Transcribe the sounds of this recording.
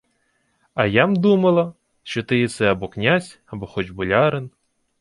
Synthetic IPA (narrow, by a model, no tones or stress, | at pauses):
ɐjamd̪umɐlˠɐ | ʃt͡ʃɔt̪ɪjisɛɐbɔknʲazʲɐbɔxɔt͡ʃbʊlʲɑɾen